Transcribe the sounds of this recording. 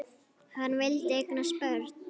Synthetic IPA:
hanːvɪlt̪ɪejknaspœɾt̪n

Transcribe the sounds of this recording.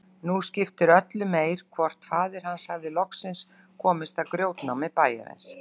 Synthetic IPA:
nuscɪft̪ɪɾœt̪lʏmeːjɾ̥kʰvɔr̥t̪faːðɪɾ̥hanshavðɪlɔksɪns | kʰɔːmɪst̪akɾjoːwt̪nawmɪpaːja̰ðɛ̰ns

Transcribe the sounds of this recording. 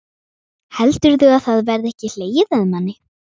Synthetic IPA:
hɛlt̪ʏɾθʏɣaðθaðvɛɾðɛhcɪl̥eːjðaðnanːɪ

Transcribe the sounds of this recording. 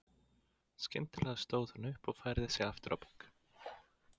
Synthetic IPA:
scɪ̰nt̪ɪlɛɣast̪oːwðʏnʏhpɔɣfaːjɾðɪsjɛɣaft̪ʏɾʔa̰wpu̥k

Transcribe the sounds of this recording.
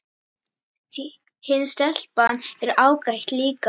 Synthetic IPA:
hɪnst̪ɛl̥panːɛɾaːwkajht̪liːka

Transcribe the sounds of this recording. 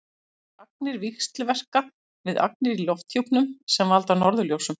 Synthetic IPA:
ak̚nɪɾvixst̪lvɛr̥ka | vɪða̰k̚nɪɾilɔft̪jowpnʏmsɛmvalt̪anɔɾðʏljowsʏm

